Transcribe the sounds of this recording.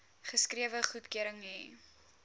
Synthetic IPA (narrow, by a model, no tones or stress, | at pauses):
χəskriəvəχutkyəɾəŋi